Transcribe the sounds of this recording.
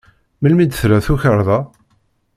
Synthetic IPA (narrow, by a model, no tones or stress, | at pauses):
məlmid̪θɾæθuçəɾˤðˤɑ